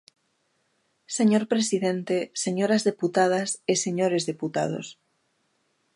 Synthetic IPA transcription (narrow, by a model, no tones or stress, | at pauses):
seɲoɾpɾesiðent̪eseɲoɾazðeput̪að̞aseseɲoɾe̞zðeput̪a̰ð̞o̰s